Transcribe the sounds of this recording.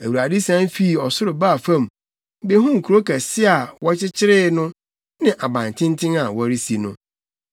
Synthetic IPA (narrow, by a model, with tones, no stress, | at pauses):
æ˨wu˨a˨di˦sã˦nfi˦˨ɔ˨sʊ˦ɾʊ˨baː˦˨fã˦˨m | be˦ɦʊ̃˦ŋ̩˨kʰu˨ɾo˦kæ˨sɪ˦a˨wɔ˦t͡ɕʰɪ˦t͡ɕʰɪ˦ɾɪː˦nʊ̃˦ | nɪ̃˦ʔa˨bã˨n˨tʰɪ̃˦n˦tʰɪ̃˦ŋa˨wɔ˦ɾi˦si˨nʊ̃˦